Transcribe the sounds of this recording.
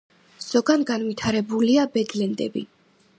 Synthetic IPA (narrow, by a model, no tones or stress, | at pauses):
z̥ɔɡanɡanvit̪ʰaɾɛbuliabɛd̪lɛnd̪ɛ̰bḭ